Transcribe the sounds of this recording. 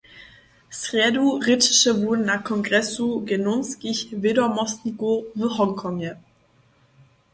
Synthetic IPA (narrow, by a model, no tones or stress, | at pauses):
sʁ̥ɛduʁɪtɪ̥ʃəvʊɐdn̩naːχkʰɔŋɡʁɛsuɡenʊnskɪçvedɔmɔstiɡoviːɦɔŋkʰɔŋə